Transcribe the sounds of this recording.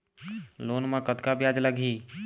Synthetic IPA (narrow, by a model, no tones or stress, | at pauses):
loːnmãkət̪kabjad͡ʒləɡʱi